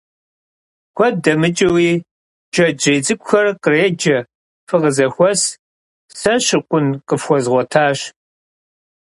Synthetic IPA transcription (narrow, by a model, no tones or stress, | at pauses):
xʷɔdɐmɨt͡ʃʼɐwiː | d͡ʒɐd͡ʒeːd͡zɨkʷʼxɐrqəreːd͡ʒɐ | fɨʁəzɐxʷɔs | sɐɕɪqʷʊnqəfxʷɔzʁʷɔtʰaːɕ